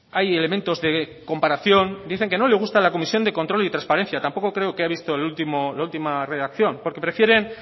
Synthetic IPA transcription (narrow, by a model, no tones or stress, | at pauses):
ajele̞ment̪o̞zðe̞ | ko̞mpaɾaθjo̞nd̪iθe̞ŋke̞no̞le̞ɣust̪alako̞misjo̞nd̪e̞ko̞nt̪ɾo̞lit̪ɾãnspaɾe̞nθjat̪ampo̞ko̞kɾe̞okeaβist̪o̞elult̪imolault̪imare̞ðakθjompo̞ɾke̞pɾe̞fje̞ɾe̞n